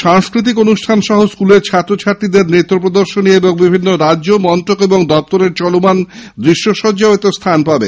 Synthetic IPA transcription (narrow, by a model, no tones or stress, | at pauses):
ʃaŋskɾit̪̬ikonuʃʈʰanʃɔɦoskuleɾt͡ɕʰat̪ːɾot͡ɕʰaʈːid̪eɾnet̪ːɾopɾod̪oɾʃonieboŋbibʱinːoɾaʑomɔnt̪ɾokeboŋd̪ɔp̚t̪oɾeɾt͡ɕɔlomand̪ɾiʃːoʃɔd͡ʑaet̪ost̪ʰanpabe